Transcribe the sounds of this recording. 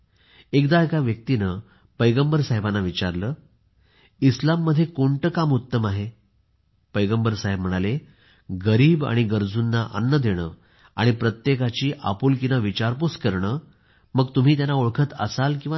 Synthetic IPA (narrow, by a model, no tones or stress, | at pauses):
ekd̪aekaʋjək̚t̪inə | pəjɡəmbəɾsaɦebanːaʋit͡ɕaɾləː | islamːəd̪ʱːjekoɳʈəkamut̪ːəmaɦe | pəjɡəmbəɾsaɦebm̤əɽ̃ale | ɡəɾiːba̰ɽ̃iɡəɾd͡zunːaʔə̰nːəd̪ʱeɽ̃əː | a̰ɽ̃ipɾət̪jekat͡ɕiːʔa̰puːlkinəʋit͡ɕaɾpuskəɾɳəː | məɡt̪um̤iːt̪̬janːaoɭkʰət̪ə̰salkĩw̃ʋa